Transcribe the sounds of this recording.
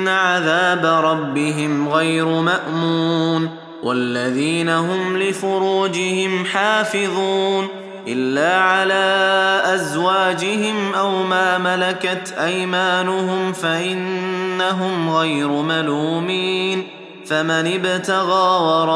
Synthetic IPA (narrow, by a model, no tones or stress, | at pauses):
nːaʕaðaːbaɾˤɑbːɪɦɪmɣajɾʊmaʔmuːn | wʔa̰lːaðiːnaɦʊmlɪfʊɾuːd͡ʒɪhɪmħaːfɪðˤuːn | ʔɪlːaːʕalaːʔazwaːd͡ʒɪhɪmʔawmaːmalakat̪ʔajmaːnʊɦʊmfaʔɪnːaɦʊmɣajɾʊmaluːmiːn | famanɪbt̪aɣaːwɑɾˤɑ